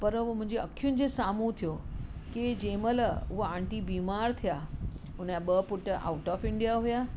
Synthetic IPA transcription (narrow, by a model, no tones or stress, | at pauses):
pəɾmʊ̃ɦɪ̃ɲd͡ʑeəkʰːjunɪ̆d͡ʑesaːmũt̪ʰijoked͡ʑẽːmələʊɦoãɳʈibiːmaːɾt̪ʰijaʊnjaɓəpʊʈa̰ːʊʈɔːfɪɳɖijaɦuja